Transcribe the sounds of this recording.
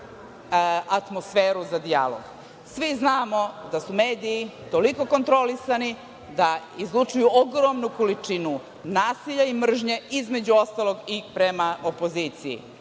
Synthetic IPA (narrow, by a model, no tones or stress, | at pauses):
at̪mo̞sfeːɾuzad̪ia̰lˠo̰ɡ | sʋiznaːmo̞d̪asumeːd̪ijit̪o̞liko̞ko̞nt̪ɾo̞lisani | d̪a | izlˠut͡ʂujuoɡɾomnuko̞lit͡ʂinu | naːsiʎaimr̩ʒɲe̞izme̞d͡ʑuo̞st̪alˠo̞ɡipɾemaopoziːt̪sijḭ